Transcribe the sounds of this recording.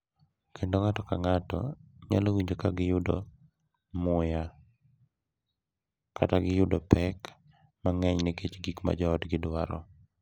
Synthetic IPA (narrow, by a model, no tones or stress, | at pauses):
kʰendoŋatɔkaŋatɔ̰ɲa̰lowiɲd͡ʒokaɡɪjʊdo̰ | mʊja | ka̰taɡɪjʊdopɛk | maŋɛɲnɪket͡ʃɡikma̰d͡ʒɔːtɡɪdwaɾɔ̰